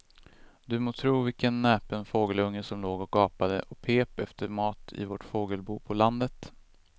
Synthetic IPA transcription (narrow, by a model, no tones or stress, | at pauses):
d̪̥ɵmoːt̪ʰɾuːvɪkənːɛːpənfoːɡəlɵŋːəsɔmloːɡɔk̚ɑːpad̪ə̰ʔɔk̚pʰeːpɛft̪ʰəɾmɑːt̪ʰɪ̰voʈfoːɡəlbuːpʰɔland̪ət̪